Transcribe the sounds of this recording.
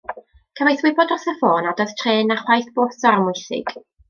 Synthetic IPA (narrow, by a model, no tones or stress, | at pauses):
kʰəvajθwɪbɔdɔθəfoːnɔdaðtʰreːnaχwajθb̥oːθaɾmʊjθɪ̰ɡ̥